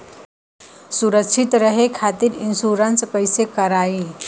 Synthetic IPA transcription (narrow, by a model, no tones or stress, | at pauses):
suɾəkʂʰit̪ɾəɦekʰat̪iːɾinsuɾənspəjsekəɾai